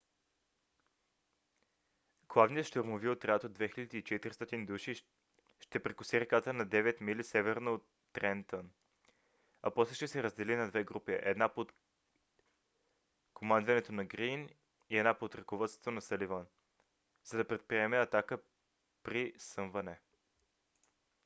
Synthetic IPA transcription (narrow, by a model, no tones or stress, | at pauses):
ɡ̥lˠavniəʃt̪oɾmoviot̪ɾɛat̪od̪vɛxilʲəd̪iːt͡ʃɛt̪iɾist̪ɔt̪ind̪uʃi | ʃt̪ɛpɾɛkʊsiɾɛkat̪ənɐd̪ɛvɛt̪milisɛvɛɾnoːt̪ːɾɛnt̪ən | ɐ̰pɔslɛʃt̪ɛsɛɾəzd̪ɛlinɐd̪vɛɡɾupiʔɛ̰d̪napot̪ | komand̪vɐnɛt̪onɐɡɾin | iɛd̪napot̪ɾɐkovət̪st̪onɐsəlivan | zɐd̪ɐpɾɛt̪̚pɾiɛmɛɐt̪akə | pɾisəɱvɐnɛ